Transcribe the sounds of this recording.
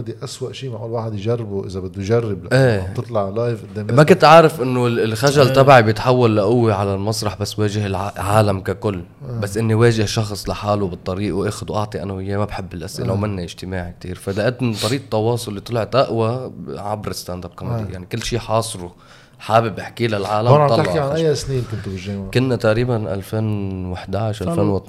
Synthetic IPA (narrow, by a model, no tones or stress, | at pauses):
d̪iʔaswaʔʃiːmaʕʔuːlwaːħɪd̪jʒarːbuʔɪzabɪd̪ːujʒarˤːɪbʔeːɨt̪ˤlɑʕlajvʔɪd̪ːeːmmakɪnt̪ʕaːɾɪfʔɪnːʊlxaʒalt̪abʕibjɪt̪ħawːalːaʔʊwːiʕalalmɑsˤɾˤɑħbasːweːʒɪhɪlʕʕaːlamkakʊlː | basːʔɪnːiweːʒɪhʃɑxsˤlaħaːlubɨt̪ˤːɑɾiːʔwʔaːxʊd̪wʔɑʕt̪ˤiʔa̰nːʊhɪjːemabħɪbːɪlʔasʔɪ̰lawmɪnːaʔɪʒ̥t̪ɪmaːʕik̚t̪ḭːɾfalaʔad̪t̪ˤːɑɾiːʔt̪ˤːɑwɑːsˤʊlːit̪ˤlʕɪt̪ʔaʔwaʕabɾɪst̪and̪ab̚kamd̪ḭjaʕnikɪlːʃiːħɑːsˤɾu | ħaːbɪbʔɪħkilalʕaːlamɑlɪħkiʕanʔajːasniːnkʊnt̪ʊbɪʒːakʊnːat̪aʔɾiːbanʔa̰lfeːnwɪħd̪aʕʃʔallfeːnwɪt̪